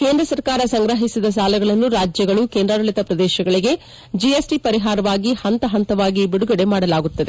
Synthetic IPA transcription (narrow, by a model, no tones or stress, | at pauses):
keːnd̪ɾɐsɐɾkaːɾɐsɐŋɡɾɐɦisid̪ɐs̬aːlɐɡɐɭɐnːuɾaːd͡ʒjɐɡɐɭukeːnd̪ɾaːɾɐɭit̪ɐpɾɐd̪ɛːʃɐɡɐɭiɡe̞ | d͡ʒiesʈipɐɾiɦaːɾɐʋaːɡihɐnt̪ɐɦɐnt̪ɐʋaːɡibiɽuɡɐɽe̞maːɽɐlaːɡut̪ːɐd̪e